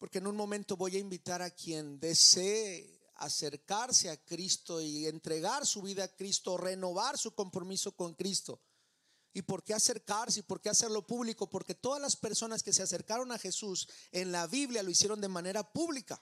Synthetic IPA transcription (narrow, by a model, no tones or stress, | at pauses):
po̞ɾkeeːnũnmõ̞mẽnt̪o̞βo̞jaimbit̪aɾakje̞nd̪e̞se | a̰se̞ɾkaɾse̞akɾist̪o̞ient̪ɾe̞ɣaɾsuβiðaːkɾist̪o̞re̞no̞βaɾsuko̞mpɾo̞miso̞ko̞ŋkɾist̪o̞̰ | ipo̞ɾke̞ase̞ɾkaɾseipo̞ɾke̞ase̞ɾlo̞puβliko̞po̞ɾke̞t̪o̞ðazlaspe̞ɾso̞naske̞se̞ase̞ɾkaɾo̞naxe̞suse̞nlaβiβljalo̞isje̞ɾo̞nd̪e̞mãne̞ɾapuβlika